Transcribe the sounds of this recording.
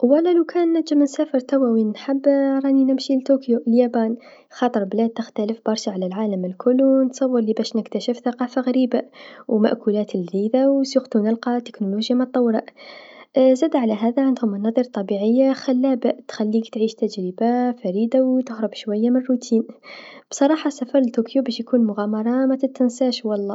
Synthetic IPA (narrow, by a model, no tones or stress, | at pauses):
wælːalawkʰæːnːæʒamɪnsaːfəɾˤt̪awawinnħabːɾˤɑninɪmʃilt̪okjoʔljabaːn | xɑːt̪ˤɨɾˤblæːd̪̚t̪ɪxt̪æləfbɑɾˤʃaʕalalʕaːlamɪlkʰʊlːnət̪sˤɑwːəɾˤlibæʃnɪkt̪aʃɪfθaqɑːfaɣaɾiːbawma̰ʔkulaːt̪əlʕiːðawsuxt̪unɪlqɑt̪ːɪ̥knoloʒjamɑt̪ˤːɑwːɾɑʔ | zæːd̪aʕalaɦaːðaʕɪnd̪hʊmʔɑnɑːðˤɨɾˤt̪ˤɑbiʕɪjːaxalːaːbat̪xælːiːkt̪ʕiːʃt̪æd͡ʒɾibafæɾiːd̪awt̪ʊhɾˤʊbʃwajːamɪnrːut̪ʰiːnb̥sˤɑɾˤɑːħɑsafɑɾˤəlt̪okʰjobæʃjkuːnmʊɣaːmɑɾˤɑmat̪ɪt̪ːɪnsaːʃwɑlˤːɑː